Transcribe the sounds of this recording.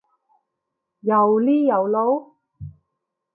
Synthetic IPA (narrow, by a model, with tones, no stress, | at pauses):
jɐ˨˩wliː˥jɐ˨˩wlo˨˥w